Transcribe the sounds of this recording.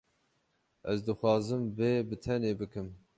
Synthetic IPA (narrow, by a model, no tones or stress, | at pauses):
ʔɛzd̪ɨxʷwɑːzɨmveːbɨt̪ʰɛneːbɨkɨm